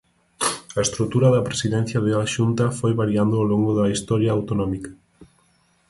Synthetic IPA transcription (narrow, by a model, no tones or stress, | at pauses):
ɐest̪ɾut̪uɾɐðɐpɾesiðɛnθjɐðeaʃunt̪ɐfojβaɾiand̪ʊawloŋɡoðɐist̪ɔɾjɐawt̪onɔmikɐ̥